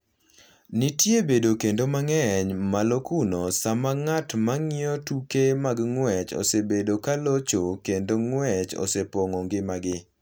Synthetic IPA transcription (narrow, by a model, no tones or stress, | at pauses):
nɪtjebedokendomaŋɛɲmalokunosamaŋatmaŋɪɔtukemaɡŋwɛt͡ʃo̰sebedokalot͡ʃokendoŋwɛt͡ʃo̰sepoŋoŋɡɪmaɡɪ